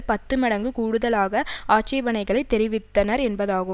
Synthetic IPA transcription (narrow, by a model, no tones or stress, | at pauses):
pɐt̪ːɯmɐɽɐŋɡɯkuːɽɯðɐlaːɣɐaːt͡ʃɐɪʋɐnɐɪɣɐɭɐɪt̪ːɛɾɪʋɪt̪ːɐnɐɾɛnbɐðaːɣɯ